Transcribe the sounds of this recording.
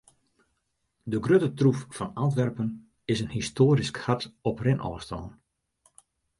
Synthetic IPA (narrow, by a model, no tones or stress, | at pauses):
dəɡrøtətruffɑnant̬ʋɛrpən | ɪsənhistʰoːɾiskhatɔprɪnʔɔ̰ːstɔ̰lːn